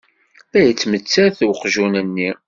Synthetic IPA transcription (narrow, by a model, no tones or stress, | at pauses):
æjət͡sːmət͡sːæθqʒunənːi